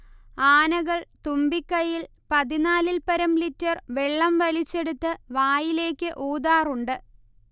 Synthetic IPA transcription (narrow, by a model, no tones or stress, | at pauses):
aːnɐɣɐɭt̪umbikːɐjil | pɐðinaːlilpɐɾɐmlitːɐrʋe̞ɭːɐmʋɐlit͡ɕːe̞ɽut̪ːɨʋaːjile̞ːkʲːɨʔoːd̪aːruɳɖɨ